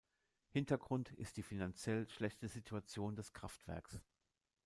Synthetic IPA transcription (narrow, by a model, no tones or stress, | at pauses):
hɪntɐɡʁʊntʰɪ̰st̚d̥iːfinant͡sjɛlʃlɛçtəzitʰuat͡sjoːndɛskʁ̥aftv̥ɛ̰ɐks